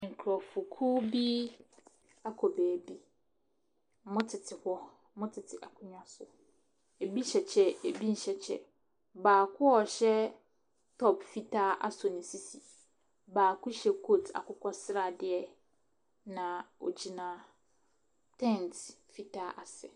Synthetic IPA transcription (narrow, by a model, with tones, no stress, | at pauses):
ŋ̩˨kʰɾɔ˨fʊ˨kʰu˦bi˦ | a˦kʰɔ˨beː˨bi˦ | mʊ̃˦tʰɪ˨tʰɪ˨hɔ˦ | mʊ̃˦tʰɪ˨tʰɪ˨ʔa˨kʰʊ˦ɲᶣã˦sʊ˨ | e˨bi˦ɕɛ˨t͡ɕʰɛ˦e˨bi˦n̩˨ɕɛ˨t͡ɕʰɛ̰˦˨ | baː˨kʰʊ˦ɔ˨ɕɛ˦ | tʰɔ˦pfi˦tʰa˦ʔa̰˦sʊ˨nɪ̃˨si˦si˨ | baː˨kʰʊ˦ɕɛ˦kʰo˦tʰa̰˨kʊ˦kʷʰɔ˦sɪ˦ɾa˨dɪ˦ɛ˨ | nã˨o̰˨d͡ʑi˨nã˨ | tʰɛ̃˦ntfi˦tʰa˦ʔa˨sɛ˨